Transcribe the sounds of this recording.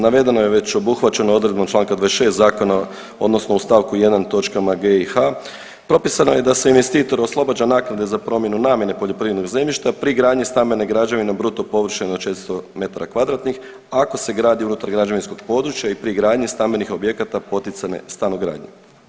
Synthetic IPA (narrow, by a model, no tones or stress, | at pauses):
naʋe̞d̪e̞nojeʋe̞t͡ɕo̞buxʋat͡ɕe̞noo̞d̪ɾed̪bat͡ʃlaːŋkad̪ʋaesʃe̞ːst̪zaːko̞na | o̞d̪no̞sno̞ust̪aʋkuje̞d̪ant̪o̞t͡ʃkamaɡexa | pɾo̞pisanoje̞d̪ase̞inʋe̞st̪iːt̪o̞ɾo̞slˠo̞bad͡ʒanaːknad̪e̞zapɾo̞mje̞nunaːmje̞ne̞po̞ʎo̞pɾiːʋed̪noɡze̞mʎiʃt̪apɾiɡɾaːd̪ɲist̪ambe̞neɡɾad͡ʒaʋinebɾut̪o̞po̞ʋr̩ʃend̪ot͡ʃe̞t̪ɾst̪ome̞t̪aɾakʋad̪ɾat̪nix | ako̞se̞ɡɾaːd̪iunut̪aɾɡɾad͡ʒaʋinsko̞ɡ̥̚po̞d̪ɾut͡ʃjaipɾiɡɾaːd̪ɲist̪ambe̞nixo̞bje̞kat̪apo̞t̪it̪sanḛst̪anuɡɾa̰ːd̪ɲe